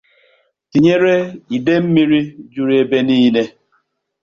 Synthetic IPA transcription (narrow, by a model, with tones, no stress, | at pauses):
ti˨ɲe˦ɾe˦i˨de˦m̩˦mi˦ɾi˦d͡ʒu˦ɾi˦e˦be˦ni˦i˦ne˦